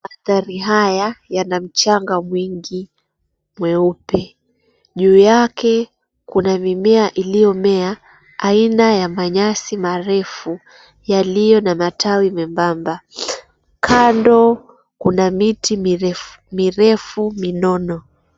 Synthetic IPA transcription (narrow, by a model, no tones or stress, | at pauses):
aθaɾiɦajajanam̩t͡ʃaŋɡamwiŋɡi | mwɛupɛ | ʄuːjakɛ | kunamimɛaʔilijɔmɛa | ainajamaɲasimaɾɛfu | jalijɔnamatawimɛmbamba | kʰandɔ | kunamitiɛ | miɾɛfuminɔnɔ